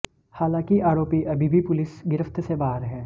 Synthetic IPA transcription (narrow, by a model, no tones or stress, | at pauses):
haːlãːkiʔaːɾoːpiʔɐbʱibʱipʊlɪsɡɪɾəft̪ʰsebaːɦəɾɦɛː